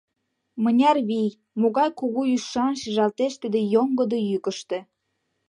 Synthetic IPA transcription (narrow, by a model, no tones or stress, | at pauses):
mə̆nʲɑrβij | moɣɑjkuɣuyʃɑnʃiʒɑlt̪eʃt̪əd̪ĕjoŋɡəd̪ojykə̆ʃt̪ĕ